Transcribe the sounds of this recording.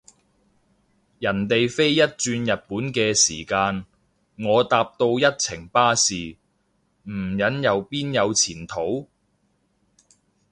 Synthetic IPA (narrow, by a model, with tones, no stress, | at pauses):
jɐ˨˩nt̪e˨jfe˥jːɐ˥t̚t͡ʃyː˧njɐ˨t̚puː˨˥nkɛː˧sḭː˨˩kaː˧n | ŋɔː˨˧t̪aː˧p̚t̪o˧wjɐ˥t̚t͡sʰɪ˨˩ŋpaː˥siː˨ | m̩˨˩jɐ˨˥njɐ˨˧wpiː˥njɐ˨˧wt͡sʰiː˨˩nt̪ʰo˨˥w